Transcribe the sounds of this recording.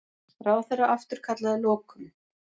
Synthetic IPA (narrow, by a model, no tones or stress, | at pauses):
raːwθɛrːaʔaft̪ʏɾ̥kʰat̪laðɪlɔːkʏm